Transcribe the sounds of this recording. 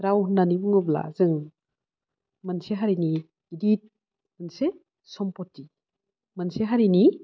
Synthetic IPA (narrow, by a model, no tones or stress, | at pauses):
ɾawnanibɯŋɯbla̰zɯŋ | manseɦaɾiniː | dit̚ | mɯnse | sɔmpɔtːi | manseɦaɾini